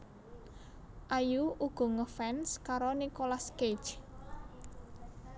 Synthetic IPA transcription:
ʔajuuɡ̥ɔ̤ŋəfɛnskaɾonikolaske̥t͡ʃ

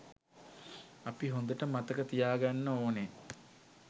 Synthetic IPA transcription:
apiɦond̪əʈəmat̪əkət̪ijaːɡanːəoːne

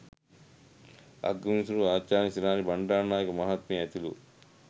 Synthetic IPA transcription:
ɐ̰ɡɐmisuɾuaːt͡ʃaːnisinaːnibɐɳɖaːnaːjɐkɐmɐɦɐt̪miɐt̪ilu

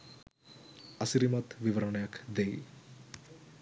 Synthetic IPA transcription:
ɐsiɾimɐt̪ʋiʋɐɾɐɳɐjakd̪ej

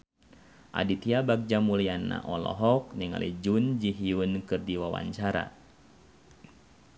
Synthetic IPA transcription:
ʔa̰dit̪iabak̚d͡ʒamulianːa̰ʔɔlɔ̰ɦɔk̚niŋa̰lid͡ʒund͡ʒiɦiunkɨrdiwawa̰ɲt͡ʃaɾa̰

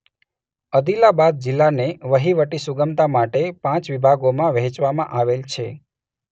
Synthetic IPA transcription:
əd̪ilabad̪̚d͡ʒɪlːaneʋəɦiʋəʈisuɡəmt̪amaʈepãt͡ʃʋibʱaɡomãʋɦɛ̃t͡ʃʋamã̰ʔaʋelt͡ʃʰe

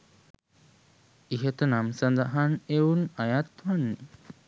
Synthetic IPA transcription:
iɦet̪ənamsand̪aɦaneunajat̪ɦanːi

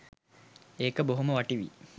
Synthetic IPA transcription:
eːkəboɦuməʋaʈiʋḭ

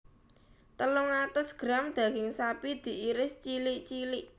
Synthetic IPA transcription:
t̪əlʊŋat̪ʊsɡ̥ɾamd̪̥a̤ɡɪŋsapid̪̥i̤ʔiɾɪst͡ʃilɪʔt͡ʃilɪʔ

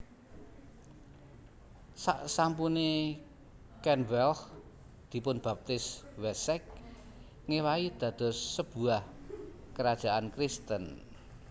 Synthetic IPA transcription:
sa̰ʔsampune | kɛnwɛlh | d̪̥i̤pʊnb̥a̤p̚t̪ɪswɛsɛk̚ | ŋewaid̪̥ä̤d̪̥ɔ̤sːəb̥ṳah | kəɾad̥ʒ̥a̤ʔankɾist̪ən

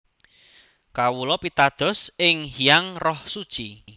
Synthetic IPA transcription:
kawulɔpit̪ad̪̥ɔ̤sɪŋhijaŋrɔhsud̥ʒ̥i

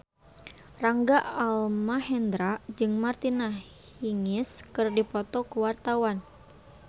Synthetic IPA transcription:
raŋɡaalmaɦɛnd̪ɾad͡ʒɨŋmart̪ina | hiŋɪskɨrdipɔt̪ɔkəwart̪awan

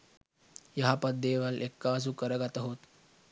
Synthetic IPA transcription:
jɦapəd̪ʱːeʋəlʔekːas̬ukəɾəɡat̪əɦot̪

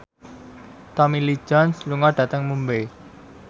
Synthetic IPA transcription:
t̪ɔmili̥d͡ʒɔnsluŋɔɖ̥ä̤t̪əŋmumbej

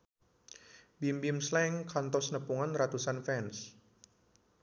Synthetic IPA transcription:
bimbimslɛŋkʰant̪ɔsnəpuŋanrat̪usanfɛns

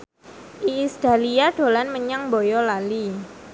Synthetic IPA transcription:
ʔiːsd̪̥aliaɖ̥o̤lanməɲaŋbɔjɔlali

